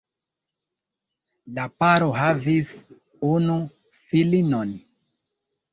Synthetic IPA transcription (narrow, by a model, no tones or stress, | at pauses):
lapaɾoɦavis | unu | filinon